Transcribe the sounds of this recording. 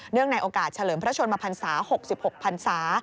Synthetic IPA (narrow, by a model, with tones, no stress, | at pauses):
nɯ˥˩əŋna˧jʔoː˧˩kaː˨˩t̪̚t͡ɕʰa˧lɤː˩˦mpʰɾa˦˥t͡ɕʰo˧nmaː˧pʰa˧nsaː˩˦ho˨˩k̚si˨˩p̚ho˨˩k̚pʰa˧nsaː˩˦